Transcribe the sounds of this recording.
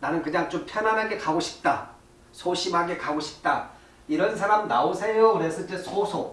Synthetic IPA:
nanɯnkɯɲaŋt͡ɕompʰjʌnanɦaɡe̞kaɡoɕʰi̥p̚t͈a | sʰoɕʰimɦaɡe̞kaɡoɕʰi̥p̚t͈a | iɾʌns̬ʰaɾamnaosʰe̞jokɯɾes͈ʰʌt͡ɕ͈esʰosʰo

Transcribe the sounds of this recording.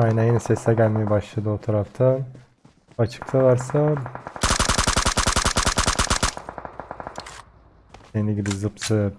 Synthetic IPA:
ajnajenɛsɛsɛɟælʲmejɛbaʃlˠad̪ɯot̪ʰaɾaft̪ʰa | at͡ʃʰɯ̥kt̪ʰalˠaɾsa | eniɟibizɯpsɯ

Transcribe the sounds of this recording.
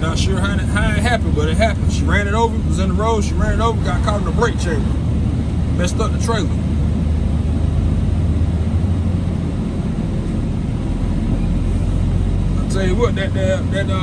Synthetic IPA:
nətʃʊɹɦaɪnɨhaɪɨɦæpnbʌɾɨt̚ɦæpn̩̥ʃiɹæ̃ñɨɾoʊvə˞wʌzɨ̃nðəɹoʊ̥ʃiɹæ̃nɨɾoʊvə˞ɡɑt̚kʰɑl̃ˠnəbɹeɪt̚t͡ʃʰeɪlˠə˞ | mɛstʌðɨtʰɹ̥eɪlˠə˞ | ãsʰɛɨwʌt̪̚ðɨt̪̚əðɨtʌ

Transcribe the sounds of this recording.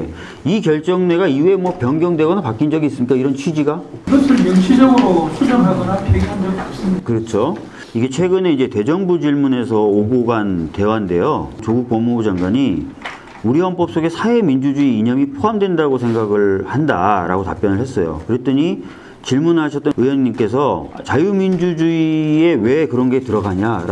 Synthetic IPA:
ikjʌɭt͡ɕ͈ʌŋneɡaiue̞mwʌpjʌŋɡjʌŋdwe̞ɡʌnapak͈ind͡ʑʌɡiːs͈ɯmɲik͈aiɾʌnt͡ɕʰɥid͡ʑiɡaɡʌsʰɯɭjuŋɕʰid͡ʑʌɡɯɾosʰud͡ʑʌŋɦaɡʌnakeaŋɡʌkaps͈ɯmikɯɾʌt͡ɕʰo | iɡe̞t͡ɕʰwe̞ɡɯneid͡ʑe̞te̞d͡ʑʌŋbud͡ʑiɭmune̞sʰʌoɡoɡante̞wande̞jot͡ɕoɡuk̚pʌmobud͡ʑaŋɡwaɲi | uɾiɦʌmp͈ʌp̚s͈oɡe̞sʰae̞mind͡ʑud͡ʑuiːɲʌmipʰoamdwe̞ndaɡosʰe̞ŋɡaɡɯɭhanda̰ɾa̰ɡota̰p͈jʌnɯɭɦe̞s͈ʌjo̰kɯɾe̞t͈ɯɲi | t͡ɕiɭmunɦaɕʰʌt͈̚ʌɯjʌŋɲimk͈e̞s̬ʰʌt͡ɕajumind͡ʑud͡ʑuie̞we̞kɯɾʌnɡe̞tɯɾʌɡaɲaɾ

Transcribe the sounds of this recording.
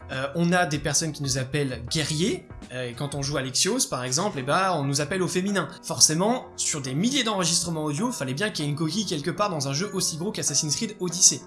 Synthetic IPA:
øɔ̃nad̪epɛʁsɔnkʲinuzapɛlɡʲɛʁje | øekɑ̃t̪ɔ̃ʒualɛksjospaʁɛɡzɑ̃plebaɔ̃nuzapɛlofeminɛ̃ | fɔʁsemɑ̃ | syʁd̪emiljed̪ɑ̃ʁəʒist̪χəmɑ̃od̪joifalɛbjɛ̃kieynkɔkʲijkʲɛlkəpaʁd̪ɑ̃zɛ̃ʒøʔosiɡʁokasasinsχid̪od̪ise

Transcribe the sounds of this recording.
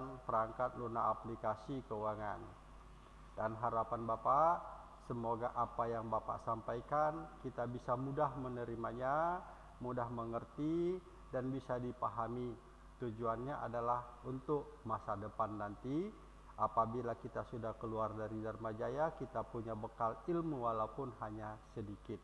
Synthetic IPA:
ŋpəɾaŋkat̪̚luna̰ʔːplikasikəuwaŋan | danɦaɾapanbapaʔ | səmoɡaʔapajaŋbapa̰ʔsampajkankit̪abisamudahmənəɾimaɲa | mudahməŋərt̪i | danbisadipaɦami | t̪ud͡ʒuanɲaʔa̰dalahunt̪ʊk̚masadəpanːant̪i | apabilakit̪asudahkəluardaɾidərmad͡ʒajakit̪apuɲabəkalilmuwalawpʊnɦaɲasədikɪt̪̚

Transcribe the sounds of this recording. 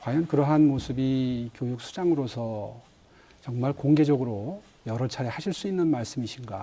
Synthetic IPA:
kwajʌnkɯɾʌɦanmosʰɯbikjojuk̚sʰu̥d͡ʑaŋɯɾosʰʌ | t͡ɕʌŋmaɭkoŋɡe̞d͡ʑʌɡɯɾo | jʌɾʌt͡ɕʰaɾehaɕʰiɭs͈uinːɯnmaɭs͈ɯmiɕʰinɡa̰

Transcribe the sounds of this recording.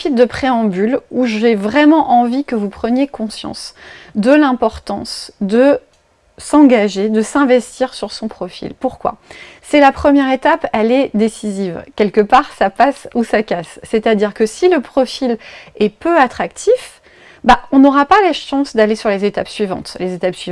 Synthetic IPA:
fit̪d̪əpχeɑ̃byluʒevʁɛmɑ̃ʔɑ̃vikəvupχənjekɔ̃sjɑ̰̃sd̪əlɛ̃pɔʁt̪ɑ̰̃sd̪ə | sɑ̃ɡaʒed̪əsɛ̃vɛst̪iʁsyʁsɔ̃pχɔfḭlpuʁkwa̰sɛlapχəmjɛʁet̪apɛlɛd̪esizivkʲɛlkəpaʁsapasusakʲasːɛt̪ad̪iʁkəsiləpχɔfilɛpøat̪χak̚t̪ʰif | baɔ̃nɔʁapalaʃɑ̃sd̪alesyʁlezet̪a̰psɥivɑ̰̃t̪lezet̪apsɥiv

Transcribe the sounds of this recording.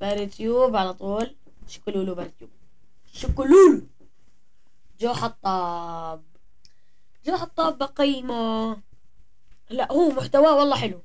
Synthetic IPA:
baɾit̪juːbʕalat̪ˤuːl | ʃʊ̥kluːlubaɾɪt̪juːb̚ | ʃʊkːʊluːlu | d͡ʒoːħɑt̪ˤːɑːb̚ | d͡ʒoːħɑt̪ˤːɑːbːaqijma | laʔhuːmʊħt̪awaːwɑlˤːɑːħɪlu

